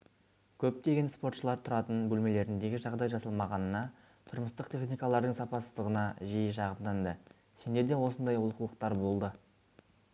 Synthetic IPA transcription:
kʲʰɵp̚t̪e̞ɡʲe̞nspo̞ɾt̪ʃəlˠɑɾt̪ʰʊɾɑt̪ənbɵlme̞le̞ɾɪnd̪e̞ɡʲɪʒɑʁd̪ɑjʒɑsɑlˠmɑʁɑnənɑ | t̪ʰʊɾməst̪əqt̪ʰe̞χnijkɑlˠɑɾd̪əɴsɑpɑsəzt̪əʁənɑʒijəʃɑʁəpd̪ɑnd̪ə | se̞nd̪e̞ɾd̪e̞wo̞sənd̪ɑjʊlˠqəlˠəq̚t̪ɑɾbo̞lˠd̪ə

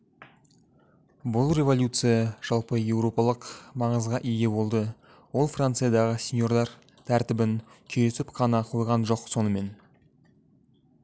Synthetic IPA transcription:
bʊlˠrʲe̞volʲjut̪sɨjɑʒ̥ɑlˠpəje̞wro̞pɑlˠəqmɑɴəzʁɑʔijɡʲe̞bo̞lˠd̪ə | wo̞lˠfrant̪sɨjad̪ɑʁəsʲe̞njo̞ɾd̪ɑɾ | t̪ʰæɾt̪ɪbɪnkʲʰejɾesɪpqʰɑnɑqʰo̞jʁɑnʒo̞qso̞nəme̞n

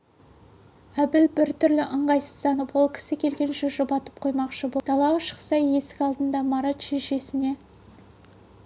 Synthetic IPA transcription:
æbɪlbɪɾt̪ʰʏɾlɪʔəɴʁɑjsəzt̪ɑnəpwo̞lˠkʲʰɪ̥sɪkʲʰe̞lɡʲe̞nʃɪʒʊbɑt̪əp̚qʰo̞jmɑqʃəbot̪ʰɑlˠɑwəʃə̥qsɑjje̞sɪ̥kʲɑlˠd̪ənd̪ɑmɑɾɑt̪ʃeʃe̞sɪne̞

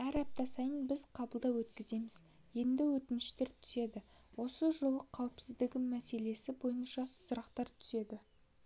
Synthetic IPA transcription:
æɾɑp̚t̪ɑsɑjənbɪz̥qʰɑbəlˠd̪ɑwwɵt̪kʲɪze̞mɪz̥ | je̞nd̪ɪwɵt̪ɪnɪʃt̪e̞ɾt̪ʰʏ̥se̞d̪ɪwo̞səʒolˠəqʰːɑwɪpsɪzd̪ɪɡʲɪmːæse̞le̞sɪbo̞jənʃɑsʊɾɑqt̪ɑɾt̪ʰʏ̥se̞d̪ɪ

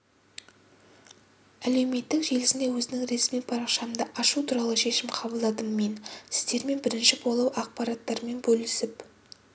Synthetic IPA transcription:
æle̞wme̞t̪ːɪkʒe̞lɪsɪnd̪e̞wɵzɪnɪŋɾe̞smijpʰɑɾɑqʃɑmd̪əʔɑʃut̪ʰuɾɑlˠəʃe̞ʃɪmqʰɑbəlˠd̪ɑd̪əmme̞nsɪ̥zd̪e̞ɾme̞nbɪɾɪnʃɪbo̞lˠuwɑq̚pɑɾɑt̪ːɑɾme̞nbɵlɪsɪp

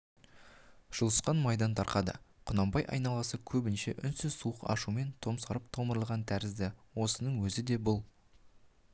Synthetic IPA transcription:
ʒ̥ʊlˠəsqɑnmɑjd̪ɑnt̪ʰɑɾqɑd̪ə̰qʰʊnɑmbɑjʔɑ̰jnɑlˠɑsəkʲʰɵbɪnʃe̞ʔʏnsɪzsuəqɑ̰ʃume̞nt̪ʰo̞msɑɾəp̚t̪ʰo̞məɾəlˠʁɑnt̪ʰæɾɪzd̪ɪwo̞sənəɴwɵzɪd̪e̞bʊlˠ

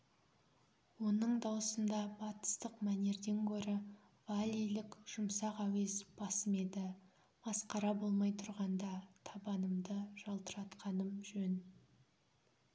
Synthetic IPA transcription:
wo̞nəɴd̪ɑwəsənd̪ɑbɑt̪ə̥st̪əqmæne̞ɾd̪e̞ŋkʰʲɵɾɪ | valʲːijlɪkʒ̥ʊmsɑqæwe̞zb̥ɑsəme̞d̪ɪ | bɑsqɑɾɑbo̞lˠmɑjt̪ʰʊɾʁɑnd̪ɑt̪ʰɑbɑnəmd̪əʒ̥ɑlˠt̪əɾɑt̪qʰɑnəmʒɵn

